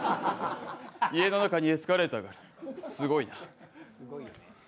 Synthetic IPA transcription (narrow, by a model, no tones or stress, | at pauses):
ie̞no̞nakaɲ̟iesɨ̥kaɾe̞t̪aɡaɾa | sɨɡo̞ina